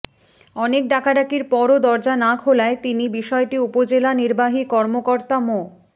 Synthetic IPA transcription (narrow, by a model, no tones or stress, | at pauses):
ɔnek̚ɖakaɖakiɾpɔɾod̪ɔɾd͡ʑanakʰolaet̪inibiʃɔeʈiupod͡ʑelaniɾbaɦikɔɾmokoɾt̪amo